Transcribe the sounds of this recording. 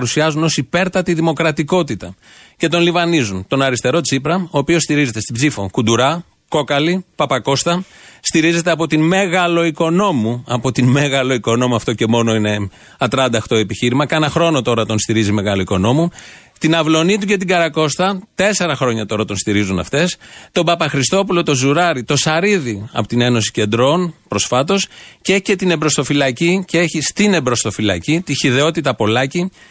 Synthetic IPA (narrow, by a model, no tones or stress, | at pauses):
ɾusiɐzuno̞sipe̞ɾt̪ɐt̪iðimo̞kɾɐt̪iko̞t̪it̪ɐ | ce̞t̪o̞nlivɐnizunt̪o̞nɐɾist̪e̞ɾo̞t͡sipɾɐo̞ːpiost̪iɾize̞t̪e̞st̪ibzifo̞kund̪uɾɐ | ko̞kɐlipɐpɐko̞st̪ɐst̪iɾize̞t̪e̞ɐpo̞t̪inmeɣɐlo̞iko̞no̞muɐpo̞t̪inmeɣɐlo̞iko̞no̞muɐft̪o̞ce̞mo̞no̞ine̞ | ɐt̪ɾɐnd̪ɐxt̪o̞epiçiɾimɐkɐnɐxɾo̞no̞t̪o̞ɾɐt̪o̞nst̪iɾizime̞ɣɐlo̞iko̞no̞mu | t̪inɐvlo̞nit̪̬uce̞t̪̬iɡɐɾɐko̞st̪ɐt̪e̞se̞ɾɐxɾo̞ɲɐt̪o̞ɾɐt̪o̞nst̪iɾizunɐ̰ft̪e̞st̪o̞bɐpɐxɾist̪o̞pulo̞t̪o̞zuɾɐɾit̪o̞sɐɾiðiɐ̰pot̪ine̞no̞si̥ce̞nd̪ɾo̞npɾo̞sfɐt̪o̞scece̞t̪ine̞bɾo̞st̪o̞filɐciceeçist̪ine̞bɾo̞st̪o̞filɐ̰cit̪içiðe̞o̞t̪it̪ɐpo̞lɐci